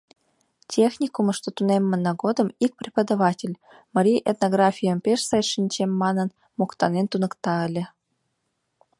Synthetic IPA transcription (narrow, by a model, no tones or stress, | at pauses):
tʲʰexnʲikumə̆ʂt̪ot̪unemʲːə̆nɑɡod̪ɤ̆mik̚prʲipəd̪ɑβɑtʲelʲ | mɑɾʲijʔet̪noɡrɑfʲijəmpʲeʂsɑjʂinʲt͡ɕemʲːɑnɤ̆n | mokt̪ɑnent̪unɤ̆kt̪ɑə̆lʲɘ̆